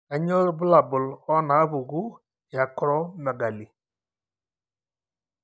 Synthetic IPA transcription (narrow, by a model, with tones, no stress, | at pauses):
a˨ɲɔ˦ɾbʊ˦la˨bʊ˨lɔ˦na˨˦βu˨ɣu˦ | ja˨kɾɔ˦mɛ˨ɡa˨li˨